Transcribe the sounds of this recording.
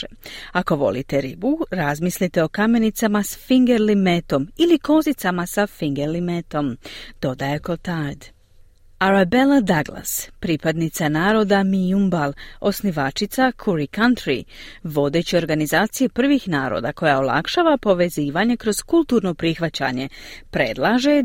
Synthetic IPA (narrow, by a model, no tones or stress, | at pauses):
eako̞ʋo̞̰lḭt̪e̞ɾibuɾazmislit̪e̞o̞kame̞nit̪samasfiŋɡeɾlimet̪o̞miliko̞zit̪samasafiŋɡeɾlimet̪o̞md̪̥o̞d̪ajekot̪ajd̪ | aɾabe̞lad̪aɡlˠa̰spɾipad̪nit̪sanaːɾo̞ːd̪amiumbalˠo̞sniʋat͡ʃit̪sakʰuɾikant̪ɾḭʋo̞d̪e̞t͡ɕio̞ɾɡanizaːt̪sije̞pr̩ʋixnaːɾo̰d̪ako̞jaolˠa̰kʃaːʋapo̞ʋe̞ziːʋaɲe̞kɾo̞z̥kulˠt̪uːɾno̞pɾixʋat͡ɕa̰ɲe̞pɾe̞̰d̪lˠaʒe̞